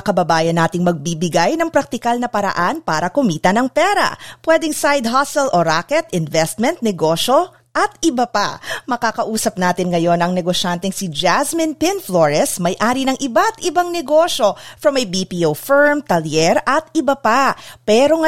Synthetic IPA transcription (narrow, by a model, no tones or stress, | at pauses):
kɐbɐbaːjɐnaːt̪ɪŋmɐɡ̚bibɪɡajnɐŋpɾɐk̚t̪ɪkalnɐpɐɾɐ̰ʔanpaːɾɐkʊmiːt̪ɐnɐŋpɛːɾɐ̰pwɛd̪ɛŋsajd̪̚ɦasɛlʔoɾaːkɛt̪ɪnvɛst̪̚mɛnt̪̚nɛɡoʃo̞ | ʔɐt̪̚ɪbɐpamɐkaːkɐʔuːsɐp̚naːt̪ɪŋŋɐjo̞nɐŋnɛɡoʃant̪ɛŋsid͡ʒasmɪnpɪnfloɹɛsmɐjʔaːɾinɐŋʔɪbat̪ɪbaŋnɛɡoʃo̞fɾɐmɐjbipiʔowfɛɹmt̪ɐljɛɾʔɐt̪ɪbɐpapɛːɾo̞ŋɐ